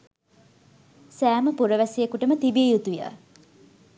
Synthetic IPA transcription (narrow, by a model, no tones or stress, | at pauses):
sæːməpuɾəʋæsijekuʈəmət̪ibiejut̪ujə̰